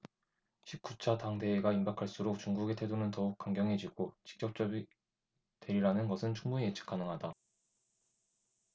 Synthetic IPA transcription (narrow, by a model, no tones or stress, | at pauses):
ɕʰik̚k͈ut͡ɕʰataŋde̞ːɡaimbakʰaɭs͈uɾok̚t͡ɕuŋɡuɡe̞tʰe̞donɯntʌuk̚k͈waŋɡjʌŋɦe̞d͡ʑiɡ̥ot͡ɕi̥k̚t͡ɕ͈ʌk̚t͡ɕ͈ʌi | twe̞ɾiɾanɯnɡʌsʰɯnt͡ɕuŋbuɲiet͡ɕʰɯ̥k͈ʰanɯŋɦada